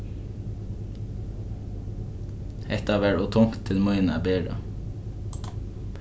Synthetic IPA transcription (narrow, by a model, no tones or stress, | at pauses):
ɛt̪ɑːʋæɹɔːt̪ʰʊŋt̪ʰɪlmɔʏnæ̰ːbeːɾə̰